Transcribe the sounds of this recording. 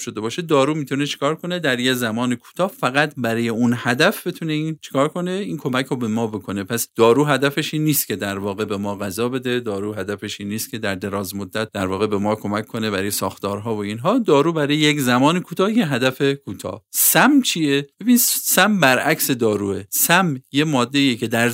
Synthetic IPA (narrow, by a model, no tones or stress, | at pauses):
ʃod̪e̞bɒːʃed̪ɒːɾuːmiːt̪ʰune̞t͡ʃʰe̥kʰɒːɾkʰo̞ne̞d̪æɾjezæmɒːnekʰu̥ːt̪ʰɒːhfæɣæt̪bæɾɒːjeunhæd̪æfb̥et̪ʰune̞iːnt͡ʃʰe̥kʰɒːɾkʰo̞ne̞iːnkʰo̞mæcʰɾobe̞mɒːbe̞kʰo̞ne̞pʰæsd̪̥ɒːɾuːɦæd̪æfeʃiːnːiːst̪cʰʲe̞d̪æɾvɒːɣe̞be̞mɒːɣæzɒːbe̞d̪e̞d̪ɒːɾuːɦæd̪æfe̞ʃiːnːiːst̪kʲʰe̞d̪æɾd̪e̞ɾɒːzmod̪ːæt̪̚d̪æɾvɒːɣe̞be̞mɒːkʰo̞mækʰːo̞nebæɾɒːjesɒːxt̪ɒːɾɦɒːvo̞inɦɒːd̪ɒːɾuːbæɾɒːjejeczæmɒːnekʰuːt̪ʰɒːjeɦæd̪æfe̞kʰuːt̪ʰɒ̰ːsæmt͡ʃʰijeebiːnsæmbæɾʔæcsed̪ɒːɾuːesæmje̞mɒːd̪ːe̞iːjecʰe̞d̪æɾ